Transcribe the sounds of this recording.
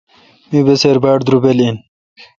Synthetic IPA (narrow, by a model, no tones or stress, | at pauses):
mibeseɾbaːɽd̪ɾubelin